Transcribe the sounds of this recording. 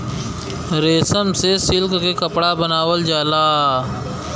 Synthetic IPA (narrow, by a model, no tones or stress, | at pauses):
ɾeːsəmsesɪlkkekəpɽabɐnaːwəld͡ʒaːlaː